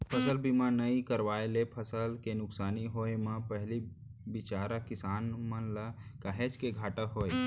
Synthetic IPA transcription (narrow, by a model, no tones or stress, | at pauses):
pʰəsəlbimãnəĩkəɾʋaːelepʰəsəlkenʊksaːniɦoemə̃pəɦli | bɪt͡ʃaːɾəkɪsaːnmənləkaɦet͡ʃkeɡʱaːʈəkɦoːe